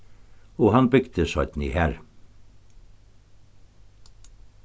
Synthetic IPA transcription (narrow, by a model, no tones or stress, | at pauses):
oːhɑnbʏɡd̪əsɔʏt̪n̩ḭːhæːɾ